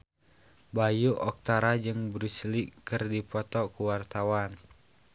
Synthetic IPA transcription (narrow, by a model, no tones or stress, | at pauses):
bajuʔɔk̚t̪aɾad͡ʒɨŋbɾuslikɨrdipɔt̪ɔkuwart̪awan